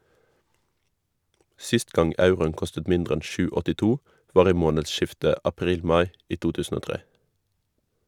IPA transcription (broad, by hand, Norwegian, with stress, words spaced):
ˈsɪst ˈɡɑŋ ˈɑʉʁʊən ˈkɔstət ˈmɪndʁ ˈɛn ˈʃʉː ɔtɪˈtuː ˈʋɑːʁ ˈiː ˈmoːnədˌʃɪftə ɑˈpʁiːl ˈmɑɪ ˈiː ˈtuː ˈtʉːsn̩ ˈoː ˈtʁeː